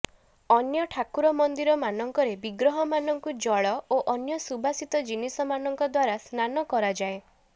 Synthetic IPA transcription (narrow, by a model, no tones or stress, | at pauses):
ɔnjɔʈʰakuɾɔmɔnd̪iɾɔmanɔŋkɔɾebiɡɾɔɦɔmanɔŋkud͡ʒɔɭɔoʔɔnjɔsubʱasit̪ɔd͡ʒinisɔmanɔŋkɔd̪waɾasnanɔkɔɾad͡ʒae